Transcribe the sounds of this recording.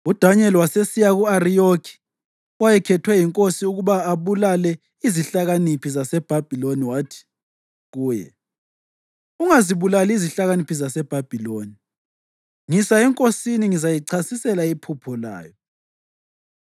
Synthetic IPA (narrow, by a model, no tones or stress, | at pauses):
ud̥ʱaɲɛliwasesijaɣuarijokʰi̥ | wajɛkʰɛtʰwɛjiŋkʼosiuɣuβaːβulalɛ | iziɬaɣanipʰizasɛb̥ʱab̥ʱiloniwaːtʰi̥ | ɣuːjɛ̰ | uŋaziβulaliziɬaɣanipʰizasɛb̥ʱab̥ʱiloːni | ŋisaɛŋkʼosiniŋizajiǀʰasisɛlaipʰupʰɔla̰ːjɔ